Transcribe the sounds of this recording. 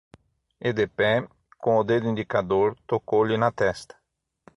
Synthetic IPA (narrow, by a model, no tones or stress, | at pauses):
ed̪epɛ | kõʊd̪ed̪ʊĩnd̪ikad̪oɾt̪okowlɪnɐt̪ɛst̪ɐ̥